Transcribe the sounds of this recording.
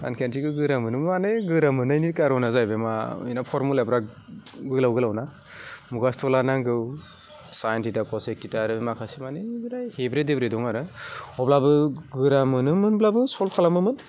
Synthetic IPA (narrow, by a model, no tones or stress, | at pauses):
a̰nkʰentʰiɡɯɡɯɾamɯnɯmmanɯɡɯɾamɯnajnikaɾɔnazajbemaḭnapʰɔɾmulabɾaɡɯlawɡɯlawna | muɡastʰɔlanaŋɡɯw | sajantidapɔsekːitaɾɯmakʰasimaneɡɯɾajhebɾedebɾedɔŋaɾɯɔblabɯɡɯɾamɯnɯmɯnblabɯsɔlkʰalamɯmɯn